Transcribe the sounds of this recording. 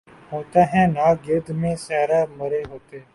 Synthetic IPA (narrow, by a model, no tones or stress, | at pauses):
ɦoːt̪aːɦɛ̃ːnaːɡɪɾd̪mẽːsɛːɾaːməɾeɦoːt̪eː